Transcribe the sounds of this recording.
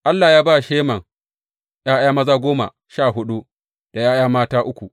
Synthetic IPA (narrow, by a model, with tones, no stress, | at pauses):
ʔa˦lːa˨jaː˦baː˦˨ʃeː˦mɐ˨ŋ | jaː˦jaː˦mɐ˦zaː˦ɡʷoː˦ma̰˨ | ʃaː˦˨ɦʊ˦ɗu˦ | d̥a˨jaː˦j̰aː˦maː˦taː˦ʔʊ˦kʷu˨